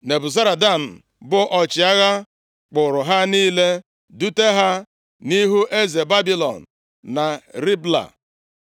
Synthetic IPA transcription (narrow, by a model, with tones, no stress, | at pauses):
ne˨bʊ˨za˦ɾa˨da˦˨n̩˨ | bʊ˦ʔɔ˨t͡ʃɪ˨a˦ɣa˦ | k͡pʊ˨ɾʊ˨ɦa˦niː˦le˦ | du˦te˦ɦa˦ | ni˦ɦu˦ʔe˦ze˨ba˦bi˦lɔ̰˨n̩˨ | na˨ɾi˦bla̰˨